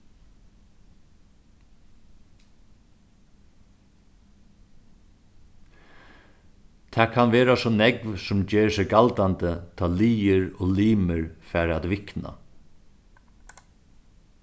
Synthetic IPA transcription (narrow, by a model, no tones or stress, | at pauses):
t̪ʰɛːkʰanʋeːɾasɔːnɛkʋsʊmd͡ʒeːɹsɛɡalt̪ant̪ət̪ʰɑːliːəɾɔːliːməɹfɛːɾat̪ʋɪkna̰